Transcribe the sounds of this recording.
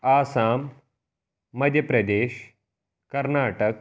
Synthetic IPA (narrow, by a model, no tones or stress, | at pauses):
aːsaːm | ɐd̪ʱjəpɾɐd̪eːʃ | kɐɾnaːʈək